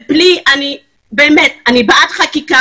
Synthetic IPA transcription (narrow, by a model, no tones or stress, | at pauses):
bliʔani | beːmet̚anibaʔatχakika